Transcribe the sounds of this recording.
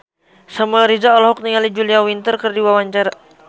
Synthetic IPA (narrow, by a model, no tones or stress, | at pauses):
samaɾizaɔlɔɦuk̚niŋalid͡ʒuliawint̪ərkərdiwawaɲt͡ʃaɾa